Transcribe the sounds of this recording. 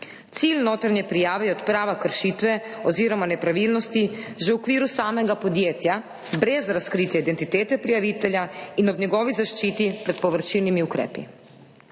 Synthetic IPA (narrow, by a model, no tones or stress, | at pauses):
t̪silnoːt̪ɾanɲɛpɾijaːʋɛjɛɔt̪pɾaːʋakəɾʃiːt̪ʋɛɔziːɾɔmanɛpɾaʋilnɔst̪iʒɛwkʋiːɾusaːmɛɡapɔd̪jeːt̪ja | bɾɛzɾaskɾit̪jɛid̪ɛnt̪it̪eːt̪ɛpɾijaʋit̪ɛljainɔbnɲɛɡɔːʋizaʃt͡ʃiːt̪ipɾɛt̪̚pɔʋəɾt͡ʃilnimiukɾɛ̰ːpḭ